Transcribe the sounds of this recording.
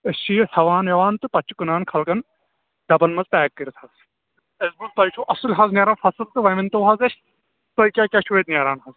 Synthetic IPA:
est͡ʃʰiːjsʰɐʋaːnjɐʋaːnt̪ɨpɐt͡ʃʰːikunaːnkʰɐlkɐn | d̪ɐbɐlmɐzpɛːkːiɾt̪ʰhɐz | ɐzbuzt̪ɐɾt͡ʃʰuʔɐsɨlʲɦɐzneːɾaːnfɐsɨlt̪ɨʋɐmint̪ɐwɦɐzɐʃ | t̪ojkʲaːkʲat͡ʃʰueːt̪̚nʲeːɾaːnɦɐz

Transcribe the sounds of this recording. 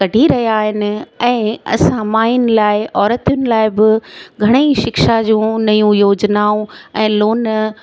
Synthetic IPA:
kɐɖʱiɾɐɦijaːɦɪnɪ̆ɛ̃ːɐ̰sãmaːijnɪ̆laːɪʔɔːɾət̪jʊnɪ̆laːɪbɪɡʱɐɽ̃eiʃɪkʃad͡ʑũːnɐjũjoːd͡ʑnaːũɛ̃ːloːn

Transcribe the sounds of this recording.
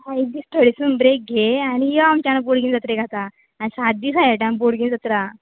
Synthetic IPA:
aid̪ist̪əɽisunbɾek̚ɡʱeanijɔamt͡ɕanəboɽɡiːnd͡zət̪ɾeɡʱat̪aː | nisad̪d̪iːsajaʈãmboɽɡind͡zət̪ɾa

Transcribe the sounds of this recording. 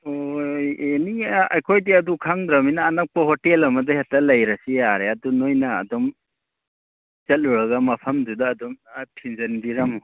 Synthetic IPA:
ojeniɐjkʰojdiɐdukʰaŋdɾɐminɐːnɐk̚pɐhɔtelɐmɐdɐhetːɐlɐjɾɐsijaɾeɐdunojnɐ̰ːdɔm | t͡ʃɐt̚ːuɾɐɡɐmɐpʰɐmdudɐːdɔmatʰinzɐnbiɾɐmu

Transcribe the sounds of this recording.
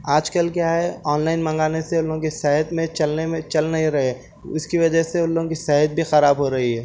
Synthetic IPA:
aːd͡ʒkəlkjaːɦɛɔːnlaːɪnmɐ̃ŋɡaːneseʊlːõkisɛɦət̪mẽt͡ʃɐlnemẽt͡ʃɐlnɐɦĩɾɐɦe | ʊskiʋɐd͡ʒəɦseʊlːõkisɛːɦət̪̚bʱixɐɾaːbɦoɾɐɦiɦɛː

